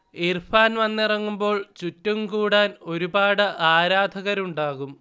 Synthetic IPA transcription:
irfaːnʋɐnːirɐŋːumbo̞ːɭt͡ɕutːumkuːɽaːno̞ɾubaːɽɨʔaːɾaːd̪ʱɐɣɐɾuɳɖaːɣum

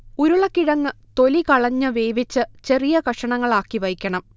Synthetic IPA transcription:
uɾuɭɐkːiɻɐŋːɨ | t̪o̞likɐɭɐɲːɨʋeːʋit͡ɕːɨt͡ɕe̞rijɐkɐʂɐɳɐŋːɐɭaːkːiʋɐjkʲːɐɳɐm

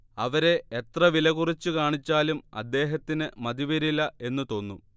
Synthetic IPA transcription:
ɐʋɐɾe̞et̪rɐʋilɐɣurit͡ɕːukaːɳit͡ɕːaːlumɐ̰d̪ːe̞ːɦɐt̪ːinɨmɐd̪iʋɐɾilːɐe̞nːut̪o̞ːnːu

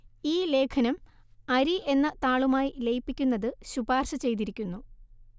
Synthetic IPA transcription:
iːle̞ːkʰɐnɐm | ɐɾiʔe̞nːɐt̪aːɭumaːjile̞jpːikʲːunːɐðɨɕubaːrɕɐt͡ɕe̞jt̪iɾikʲːunːu

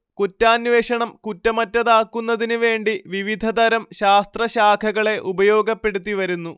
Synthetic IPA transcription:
kutːaːnʋeːɕɐɳɐmkutːɐmɐtːɐðaːkːunːɐðinuʋe̞ːɳɖiʋiʋid̪ʱɐd̪ɐɾɐmɕaːst̪rɐɕaːkʰɐɣɐɭe̞ʔubɐjo̞ːɡɐpːe̞ɽut̪̬ːiʋɐɾunːu

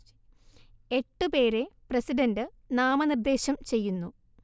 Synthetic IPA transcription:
e̞ʈːɨpe̞ːɾe̞prɐsidɐndɨ | naːmɐnird̪e̞ːɕɐmt͡ɕe̞jːunːu

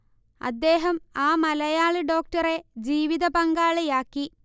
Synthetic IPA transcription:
ɐ̰d̪ːe̞ːɦɐmaːmɐlɐjaːɭɨɖo̞ːk̚tɐre̞d͡ʑiːʋiðɐpɐŋɡaːɭjaːkːi

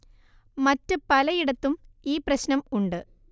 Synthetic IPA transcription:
mɐtːɨpɐlɐjiɽɐt̪ːumiːprɐɕnɐmuɳɖɨ

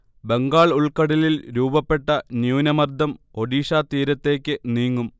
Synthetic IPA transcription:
be̞ŋɡaːɭuɭkɐɽililɾuːbɐpːe̞ʈːɐnjuːnɐmɐrd̪ʱɐmo̞ɽiːɕaːt̪iːɾɐt̪ːe̞ːkʲːɨniːŋːum

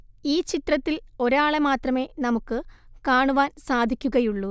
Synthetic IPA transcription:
iːt͡ɕit̪rɐt̪ːilo̞ɾaːɭemaːt̪rɐme̞ːnɐmukːɨkaːɳuʋaːnsaːd̪ʱikʲːuɣɐjuɭːu

